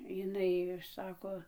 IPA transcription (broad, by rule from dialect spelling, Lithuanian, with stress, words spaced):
jɪˈnɐɪ ˈsɑːkoː